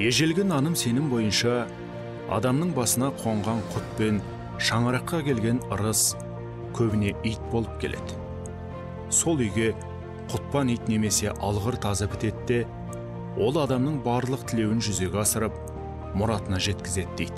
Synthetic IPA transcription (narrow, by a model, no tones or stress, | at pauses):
je̞ʒe̞lɡʲenɑnəmse̞nɪmbo̞jənʃɑ | ɑ̰d̪ɑmnəɴbɑsənɑqʰo̞ɴʁɑɴqʰʊt̪̚pe̞n | ʃɑɴəɾɑqːɑkʲʰe̞lɡʲe̞nəɾəs | kʲʰɵbɪne̞ʔijt̪̚bo̞lˠəp̚kʲʰe̞lʔe̞̰d̪ɪ | so̞lˠʏjɡʲe̞ | qʰʊt̪̚pɑnijt̪ne̞me̞se̞ʔɑlˠʁəɾt̪ʰɑzəpʰɪt̪e̞t̪ːe̞ | wʔo̞lˠɑd̪ɑmnəɴbɑɾlˠəq̚t̪ʰɪle̞wɪnʒʏze̞ɡʲeɑsəɾəp̚ | mʊɾɑt̪ənɑʒe̞t̪kʲɪze̞t̪̚d̪ejd̪